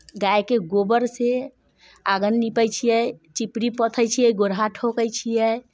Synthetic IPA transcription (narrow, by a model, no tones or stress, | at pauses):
ɡajkeɡobəɾse | aɡənːipət͡ʃʰijɛt͡ʃipɾipət̪ʰəjt͡ʃʰijɛɡoɾɦaʈʰokəjt͡ʃʰijɛ